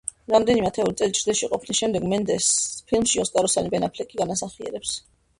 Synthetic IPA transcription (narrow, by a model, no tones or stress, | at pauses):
ɾamd̪ɛnimɛt̪ʰɛulisʼɛlit͡ʃʰɾd̪ɛʃiqʼɔpʰnisʃɛmd̪ɛɡmɛnd̪ɛspʰilˠmʃiɔsk̪ʼaɾɔsanibɛnapʰlɛkʼiɡanasaχiɛ̰ɾɛps